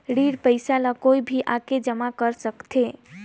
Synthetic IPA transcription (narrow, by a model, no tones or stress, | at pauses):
ɽiɽpəɪsalakoibʱiʔaked͡ʒəmakəɾsəkt̪ʰe